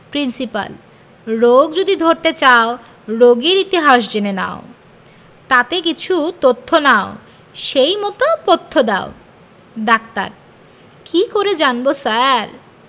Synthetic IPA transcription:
pɾinsipa̰l | ɾoɡd͡ʑod̪id̪ʱoɾt̪et͡ɕao | ɾoɡiɾit̪iɦaʃ̬d͡ʑenena̰o | t̪at̪ekit͡ɕʰut̪ot̪ʰːonao | ʃejmɔt̪opot̪ʰːod̪ao | dak̚t̪a̰ɾ | kikoɾed͡ʑanbosaɾ

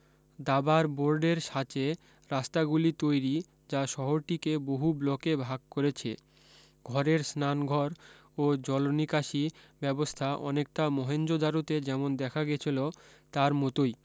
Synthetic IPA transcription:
d̪abaɾboɾɖeɾʃat͡ɕe | ɾast̪aɡulit̪ojɾi | d͡ʑaʃɔɦoɾʈikeboɦublɔkebʱaɡ̚koɾet͡ɕʰḛ | ɡʱɔɾeɾsnanɡʱɔɾ | od͡ʑɔlonikaʃi | bɛbost̪ʰaʔɔ̰nek̚ʈamɔɦend͡ʑod̪ʱaɾut̪ed͡ʑɛmond̪ɛkʰaɡet͡ɕʰilot̪aɾmɔt̪oj

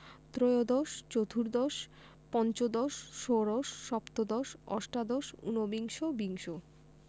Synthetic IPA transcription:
t̪ɾojod̪ɔʃt͡ɕot̪ʰuɾd̪ɔʃ | pɔnt͡ɕod̪ɔʃːoɾɔʃːɔpt̪od̪ɔʃɔ̰ʃʈad̪ɔʃṵnobiŋʃobiŋʃo

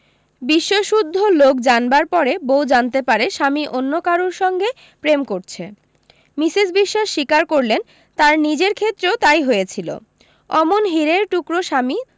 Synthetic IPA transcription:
biʃːoʃud̪ʱːolok̚d͡ʑanbaɾpɔɾebowd͡ʑant̪epaɾeʃamiʔonːokaɾuɾʃɔŋɡe | pɾemkoɾt͡ɕʰe | misisbiʃːaʃːikaɾkoɾlen | t̪aɾnid͡ʑeɾkʰet̪ːɾeot̪ajɦoet͡ɕʰilo̰ | ɔmonɦiɾeɾʈukɾoʃami

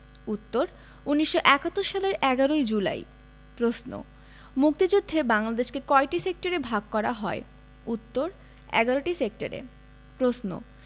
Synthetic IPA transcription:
ut̪ːoɾ | uniʃːoʔɛkat̪ːoɾʃaleɾɛɡaɾoid͡ʑula̰j | pɾosno̰ | muk̚t̪id͡ʑud̪ʱːebaŋlad̪eʃkekɔeʈisek̚ʈaɾebʱaɡkɔɾaɦɔe | ut̪ːoɾ | ɛ̰ɡaɾoʈisek̚ʈa̰ɾḛ | pɾosno̰

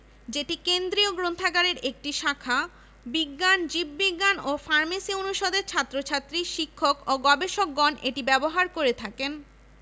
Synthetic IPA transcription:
d͡ʑeʈikend̪ɾioɡɾont̪ʰaɡaɾeɾek̚ʈiʃakʰa | biɡːand͡ʑibbiɡːanofaɾmesionuʃod̪eɾt͡ɕʰat̪ːɾot͡ɕʰat̪ːɾiʃikʰːokoɡɔbeʃok̚ɡɔnḛʈibɛboɦaɾkoɾet̪ʰaken

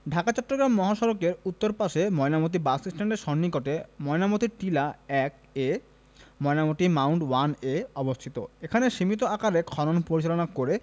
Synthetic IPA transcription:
ɖʱakat͡ɕɔʈːɾoɡɾamːɔɦaʃɔɾokeɾut̪ːoɾpaʃemɔenamot̪̬ibasisʈʰaɳʈeɾʃɔnːikɔʈemɔenamot̪iʈilaɛk̚ | e | mɔenamot̪imawɳɖwaneɔbost̪ʰit̪o̰ekʰaneʃimit̪̬oakaɾekʰɔɾonpoɾit͡ɕalonakoɾe

